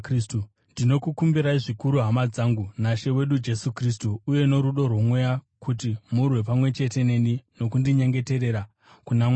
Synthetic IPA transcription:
stu | ndino̞kukumbiɾaiʐikuɾuɦamad͡zaːŋɡunaʃe̞we̞ɗud͡ʒe̞sukris̬tuːje̞no̞ɾuɗo̞rwomwe̞jakʰut̬imurwe̞p̬amwe̞t͡ʃe̞te̞ne̞nino̞kundiɲe̞ŋɡe̞te̞ɾe̞ɾa | kunamwa

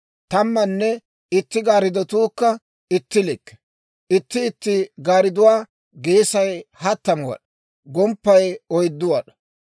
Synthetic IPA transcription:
t̪ɐmːɐnːɛ | ɪt̪ːɪɡaːɾɪd̪ɔt̪uːkːɐ | ɪt̪ːɪlɪkːɛ̥ | ɪt̪ːɪːt̪ːɪɡaːɾɪd̪ʊwaː | ɡeːsɐjhɐt̪ːɐmʊwɐ̰ɗɐ | ɡɔmpːɐjɔjd̪ːʊwɐɗɐ̥

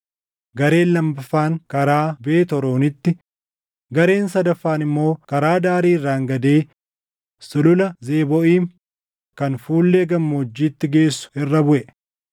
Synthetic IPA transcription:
ɡɐɾe̞ːlːɐmbɐfaːŋkɐɾaːbe̞ːt̪ɔɾo̞ːnɪt̪ːɪ | ɡɐɾe̞ːnsɐd̪ɐfːaːnɪmːo̞ːkɐɾaːd̪aːɾiːɪrːaːŋɡɐd̪e̞ː | sɪlʊlɐzeːbɔʔiːm | kɐnfuːlːeːɡɐmːʊd͡ʒːiːt̪ːɪɡe̞ːsːʊ̥ɪrːɐbʊʔɛ

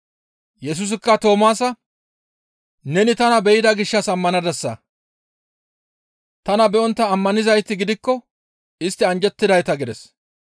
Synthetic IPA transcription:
jɛs̬ʊs̬ɪkːɐt̪o̞ːmaːsɐ | nɛnɪt̪ɐnɐbɛjɪd̪ɐɡɪʃːɐsɐmːɐnɐd̪ɐsːɐ̰ | t̪ɐnɐbɛʔɔnt̪ːɐːmːɐnɪzɐjt̪ːɪɡɪd̪ɪkːɔ | ɪst̪ːɪɐnd͡ʒɛt̪ːɪd̪ɐjt̪ɐɡɪd̪ɛs

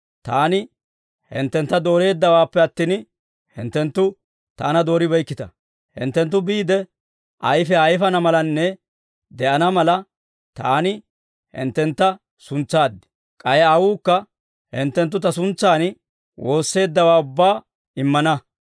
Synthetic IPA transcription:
t̪aːnɪ | hɪ̰nt̪ːɛnt̪ːɐd̪o̞ːɾe̞ːd̪ːɐwaːpːɛɐt̪ːiːn | hɪ̰nt̪ːɛnt̪ːʊ | t̪aːnɐd̪o̞ːɾɪbɐjkːɪt̪ɐ̰ | hɪ̰nt̪ːɛnt̪̬ːʊbiːd̪ɛ | ʔɐjfɛɐjfɐnɐmɐlɐnːɛ | d̪ɛʔɐnɐmɐlɐ | t̪aːnɪ | hɪ̰nt̪ːɛnt̪ːɐ | sʊnt͡sːaːd̪ːɪ̥ | kʼɐjɛɐwuːkːɐ | hɪ̰nt̪ːɛnt̪̬ːʊt̪ɐs̬ʊnt͡sːaːn | wo̞ːsːe̞ːd̪ːɐwaːʊbːaː | ɪmːɐnɐ

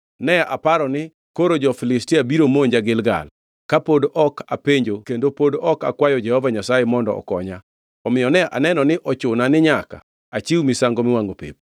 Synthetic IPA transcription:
nɛaʔapaɾɔnɪ | koɾod͡ʒɔfɪlɪstiabiɾomoɲd͡ʒaɡɪlɡa̰l | kapodʔɔkʰapeɲd͡ʒokendopodɔka̰kwajɔd͡ʒɛhɔvaɲasajemɔndɔ̰ɔ̰kɔ̰ɲa | ɔmɪjɔnɛʔa̰nɛnɔnɪʔɔt͡ʃʊnanɪɲaka̰ | at͡ʃiwmɪsaŋɡɔmɪwaŋɡopḛp̚

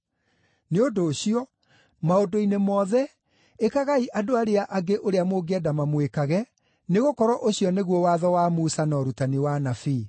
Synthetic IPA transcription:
neondoːɕiɔ | maodoinemɔːðɛ | ekaɣaiʔadoaɾeaʔaɡeʔoɾeamoɡeɛdamamwekaɣɛ | neɣokɔɾɔʔoɕiɔneɣwɔwaðɔwamusanɔɾutaniwanafiː

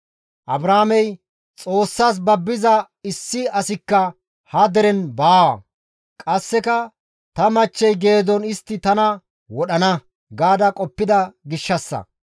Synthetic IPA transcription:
ʔɐbɾaːmɛj | t͡sʼo̞ːsːaːs̬bɐbːɪzɐ | ɪsːɪɐsɪkːɐ | hɐd̪ɛɾɛnbaːwɐ̰ | kʼɐsːɛkɐ | t̪ɐmɐt͡ʃːɛjɡeːd̪ɔnɪst̪ːɪt̪ɐnɐ | wɔɗɐnɐ | ɡaːd̪ɐkʼɔpːɪd̪ɐɡɪʃːɐsːɐ̰

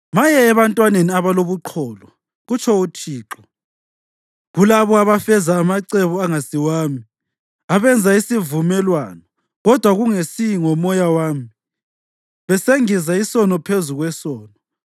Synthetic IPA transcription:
majɛːβantʼwaneniaβaloβuǃʰɔːlɔ | ɣut͡ʃʰɔut͡ʃʰʼiːǁɔ̥ | ɣulaβɔaβafɛzaːmaǀɛβɔaŋasiwaːmi | aβɛnd͡zʱaisivumɛlwanɔ | ɣɔd̥ʱwaɣuŋesiŋɔmɔjawaːmi | βɛseŋizaisɔnɔpʰezuɣwɛsɔːnɔ

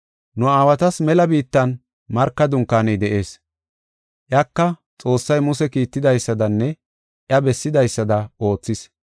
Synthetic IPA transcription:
nʊaːwɐt̪ɐsmɛlɐbiːt̪ːɐn | mɐɾkːɐd̪ʊŋkːaːnɛjd̪ɛʔe̞ːs | ʔjɐkːɐt͡sʼo̞ːsːɐjmʊsɛkiːt̪ːɪd̪ɐjsːɐd̪ɐnːɛ | ʔjɐbɛsːɪd̪ɐjsːɐd̪ɐʔo̞ːt͡sːɪs

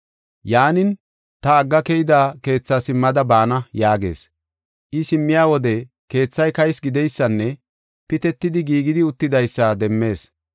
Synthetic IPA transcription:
jaːnɪn | t̪ɐːɡːɐkɛjɪd̪aːke̞ːt͡sːaːsɪmːɐd̪ɐbaːnɐjaːɡe̞̰ːs | ʔɪsɪmːɪjaːwɔd̪ɛ | ke̞ːt͡sːɐjkɐjsɡɪd̪ɛjsːɐnːɛ | pɪt̪ɛt̪ːɪd̪ɪɡiːɡɪd̪ɪʊt̪ːɪd̪ɐjsːad̪ɛmːe̞ːs

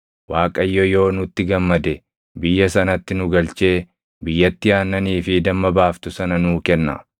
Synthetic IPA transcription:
waːkʼɐjːojːo̞ːnʊt̪ːɪɡɐmːɐd̪ɛ | bɪjːɐsɐnɐt̪ːɪnʊɡɐlt͡ʃe̞ː | bɪjːɐt̪ːɪjaːnːɐniːfɪd̪ɐmːɐbaːft̪ʊsɐnɐnuːkɛnːɐ̰

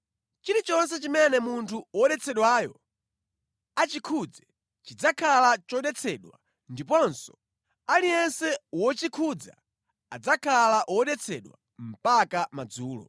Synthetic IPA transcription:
t͡ʃiɾit͡ʃɔns̬ɛt͡ʃimɛnɛmuntʰuwɔɗɛt͡sʰɛɗwajɔ | at͡ʃikʰud͡zɛ | t͡ʃid͡zakʰalat͡ʃɔɗɛt͡sʰɛɗwa | ndip̬ɔnsɔ̥ | aliɛnsɛwɔt͡ʃikʰud͡za̰ | a̰d͡zakʰalaʔwɔɗɛt͡sʰɛ̰ɗwa̰ | m̩pakamad͡zuːlɔ̰

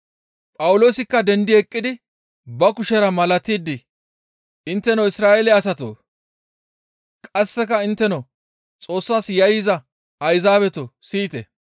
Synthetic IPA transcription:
pʼɐwʊlo̞ːsɪkːɐd̪ɛnd̪ɪɛkʼːɪd̪ɪ | bɐkʊʃɛɾɐmɐlɐt̪iːd̪ːɪ | ʔɪnt̪ːɛnoɪsɾaːʔɛlɛɐs̬ɐt̪o̰ː | kʼɐsːɛkɐɪnt̪ːɛno | t͡sʼo̞ːsːaːsjɐjɪzɐ | ɐjzaːbɛt̪ɔsiːt̪ɛ̰

